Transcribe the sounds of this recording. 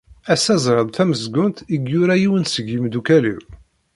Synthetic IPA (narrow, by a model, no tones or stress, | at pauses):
æsːæzˤɾˤəðˤθæməzɡʊnt̪iɡjʊɾæjiwənsəɡimd̪ukælḭw